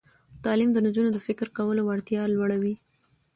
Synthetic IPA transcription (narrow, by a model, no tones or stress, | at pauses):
t̪ɑlimd̪ənad͡ʒunod̪əfɪkɾkawəlowaɽt̪jɑlwaɽawi